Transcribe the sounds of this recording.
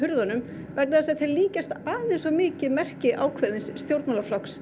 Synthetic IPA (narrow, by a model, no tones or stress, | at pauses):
ɦʏɾðanʏm | vɛknɪθasaθɛɾliːcast̪aːðɪsɔmɪːcɪðmɛr̥cɪʔaːwkʰvɛðɪnsːt̪jowɾt̪nalaflɔks